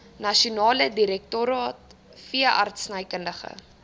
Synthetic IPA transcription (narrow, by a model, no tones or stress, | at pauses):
nɐʃiunɑːlədiɾɛk̚tuɾɑːt̚ | fiəʔɐ̰rtsnɐjkəndəχə̰